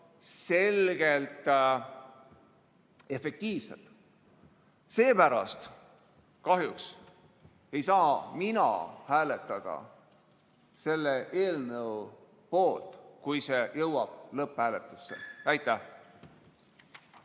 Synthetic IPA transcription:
se̞lɡ̥elt̪ˑ | e̞fe̞k̚t̪iːvse̞̰lt̪ | se̞ːpæɾɑ̰st̪ | kɑɦjuks | e̞jsɑːminɑ̰hæːle̞t̪ːˑɑd̪̥ɑ̰ | se̞lːeʔeːlnɤw | po̞ːlt̪kujse̞jɤwɑb̥lɤphæːlet̪ˑːu̥sːḛæjt̪ːˑæh

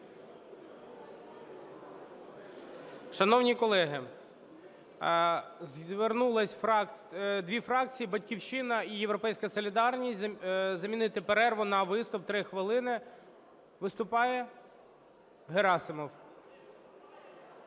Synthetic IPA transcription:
ʃɐnɔwnʲikɔlˠɛɦɪ | zʋernulˠɐsʲfɑkd̪ʋʲifɾɑk̚t͡sʲijːibɐtʲkʲiwʃɪnɐijeʋwɾɔpɛjsʲkɐsɔlʲid̪ɑrnʲisʲtʲzɐmʲinɪt̪ɪpeɾɛrʋʊnɐʋɪst̪ʊp̚t̪ɾɪxʋɪlˠɪnɪ | ʋɪst̪ʊpɑjɛ | ɦeɾɑsɪmɔw

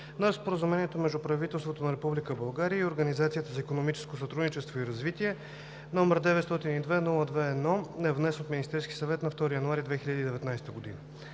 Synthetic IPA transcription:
nəɾspoɾəzumɛniɛt̪omɛʒd̪ʊpɾɐvit̪ɛlˠst̪vot̪onɐɾɛpublikəbɐlˠɡaɾijəioɾɡənizat̪siət̪əzɐikonomit͡ʃɛ̥skosɐt̪ɾud̪nit͡ʃɛst̪voiɾɐzvit̪iɛ | nɔmɛɾd̪ɛvɛt̪st̪ɔt̪inid̪vɛnulˠəd̪vɛːd̪nɔɛvnɛsɛnot̪minist̪ɛɾskʲi̥sɐvɛt̪nɐft̪ɔɾijɐnuaɾid̪vɛxiʎʲəd̪id̪ɛvɛt̪najst̪əɡod̪ḭnə

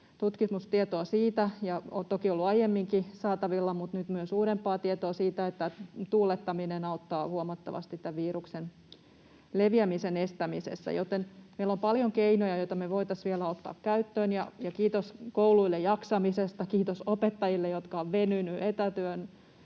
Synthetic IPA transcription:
t̪ut̪kimust̪iet̪oɑsiːt̪æjɑot̪okiolːuɑijemːiŋkisɑːt̪ɑʋilːɑmut̪nyt̪myøsuːɾempːˑɑːt̪iet̪oɑsiːt̪æet̪ːæt̪uːlet̪ːɑminenɑut̪ːɑːhuomɑt̪ːɑ̰ʋɑ̰st̪it̪t̪ːæʋʋiːɾuksen | leʋiæmisenest̪æmisḛsːæ̰jot̪enmeilːompɑljoŋkeinojɑjoit̪ɑmeʋoit̪ɑsʋielæot̪ːɑ̰ːkkæyt̪ːøːnjɑ̰jɑkiːt̪oskouluilːejjɑksɑmisest̪ɑkiːt̪osopet̪ːɑjilːejot̪kɑoʋʋenynyʔet̪æt̪øːn

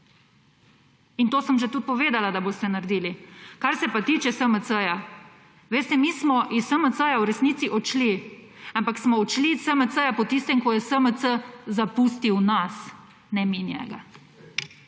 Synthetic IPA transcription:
int̪oːsəmʒet̪ut̪̚pɔʋeːd̪alad̪abost̪ɛnaɾd̪iːlikaɾsɛpat̪iːt͡ʃɛsəməsəja | ʋeːst̪ɛmiːsmɔʔisəmət̪səjawɾɛsniːt̪siʔɔt͡ʃli | ampaksmɔɔt͡ʃlisəməsəjapɔt̪ist̪ɛmkɔjɛsəmət̪səzapust̪iwnas | nɛminjɛ̰ɡa

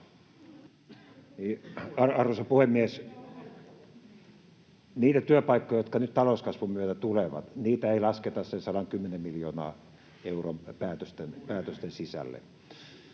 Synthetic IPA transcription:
niːɑrɑrʋosɑpuhemːies | niːt̪æt̪yøpɑikːojɑjot̪kɑnytt̪ɑloˑuskɑsʋumyøt̪æt̪uleʋɑ̰t̪niːt̪æeilɑsket̪ɑssensɑlɑŋkymːenemmiljoːnɑ̰ː | eurompæːt̪øst̪enpæːt̪øst̪ensisæ̰lːḛ

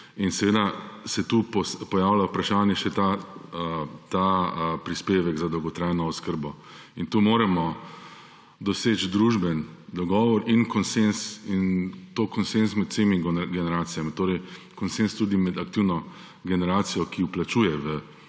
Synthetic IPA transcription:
insɛʋeːd̪asɛt̪uːpɔspɔjaːwlawpɾaʃaːnjɛʃɛt̪aət̪aəpɾispeːʋɛɡzad̪ɔwɡɔt̪ɾajnɔːskəɾbɔ | int̪uːmoːɾɛmɔ | d̪ɔseːt͡ʃd̪ɾuːʒbɛnd̪ɔɡɔːʋɔɾinkɔnsensint̪oːkɔnsensmɛt̪semiɡɡɛnɛɾaːt̪sijamit̪oːɾɛjkɔnsenst̪uːd̪imɛd̪akt̪iwnɔ | ɡɛnɛɾaːt̪sijɔkiuplat͡ʃuːjɛʋə

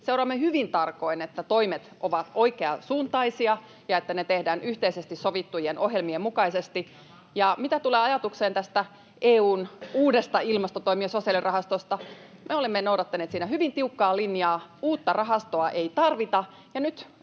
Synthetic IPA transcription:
sewɾɑmːehyʋint̪ɑrko̞inet̪ːæt̪oimet̪ʔoʋɑt̪oikeɑsuːnt̪ɑisiɑ | jɑet̪ːænet̪ehdæːnyht̪eisest̪issoʋit̪ːujenʔoɦjelmiemukɑisest̪i | jɑmit̪æt̪uleːɑjɑt̪ukseːnt̪æst̪æ | ʔeːuːnuːdest̪ɑilmɑst̪ot̪oimiesosiɑlirʔɑɦɑst̪ost̪ɑmʔeolemːenowdɑt̪ːɑneːt̪siːnæhyʋint̪iukːɑːlinjɑːuːt̪ːɑrɑɦɑst̪oɑʔeit̪ɑrʋit̪ɑ | jɑnyt̪

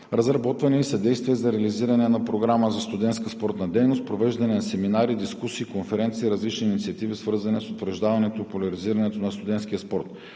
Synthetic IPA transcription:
ɾəzɾɐbɔt̪vɐnɛisɐd̪ɛjst̪viɛzɐɾɛɐliziɾɐnɛnɐpɾoɡɾaməzɐst̪ʊd̪ɛnt̪skəspɔɾt̪nɐd̪ɛjnost̪̚pɾovɛʒd̪ɐnɛnɐsɛminaɾid̪iskusiːkonfɛɾɛnt̪siːɾɐzlit͡ʃniːnit̪siɐt̪ivisvɤɾzɐnɛsot̪vɾɐʒd̪avɐnɛt̪oipolʲɐɾiziɾɐnɛt̪onɐst̪ʊd̪ɛnt̪skʲijəspɔɾt̪

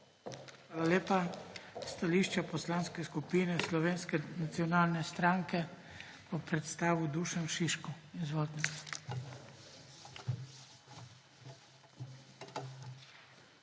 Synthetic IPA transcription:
xʋaːlaleːpast̪aliːʃt͡ʃapɔslanskɛskupiːnɛslɔʋeːnskɛnat̪siɔnaːlnɛst̪ɾaːŋkɛ | pɔpɾɛt̪st̪aːʋud̪uːʃɛmʃiʃkuizʋɔlt̪nɛ

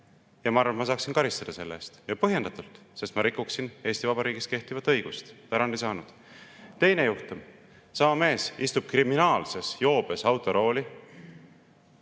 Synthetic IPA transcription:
jɑmɑɑɾvɑmɑsɑːksinkɑɾist̪ɑd̪̥ɑse̞lːest̪jɑpɤɦje̞nd̪̥ɑt̪ːˑult̪ | se̞st̪mɑɾikˑːuksine̞ːsʲt̪ivɑbɑɾiːɡist̪ke̞ht̪ivɑt̪ːˑɤjɡ̥ust̪t̪ɑɾɑnd̪isɑːnud̪̥ | t̪e̞jnejuht̪um | sɑmɑme̞ːsist̪ub̥̚kriminɑːlse̞sjo̞ːb̥e̞sɑwt̪ːˑo̞ɾo̞ːlʲi

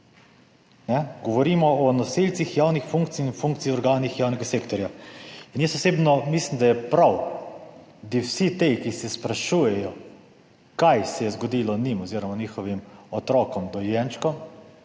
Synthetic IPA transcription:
nɛɡɔʋɔɾimɔɔnɔsilt̪sixjawnixfuŋk̚t̪siinfuŋkt̪sijɔɾɡaːnixjawnɛɡasekt̪ɔɾjainjɛst̪ɔseːbnɔmislimd̪ajɛpɾaw | d̪iwsit̪ejkisɛspɾaʃuːjɛjɔ | kajsɛjɛzɡɔd̪ilɔnimɔziɾɔmanixɔʋimɔt̪ɾɔkɔmd̪ɔjɛnt͡ʃkɔ

